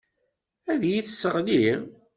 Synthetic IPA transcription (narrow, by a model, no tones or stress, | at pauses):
æðjiθsːəʁli